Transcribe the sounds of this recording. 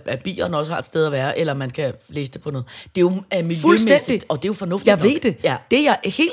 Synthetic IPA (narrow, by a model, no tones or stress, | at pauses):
æb̥ḭːɐnɒ̽səhɑ̈e̝dsd̥eð̞ˠɐʋæːɐʔelɐmænkʰæleːsə̥d̥e̝pʰɒ̽nɔ̽ːð̩ˠd̥e̝joæmiljfuløsmensi̥d̥ɒ̽d̥e̝jo̝fɒ̽nɔ̽fd̥ï̥ʋe̝d̥ejæd̥e̝jɑ̈ɪhe̝̰ː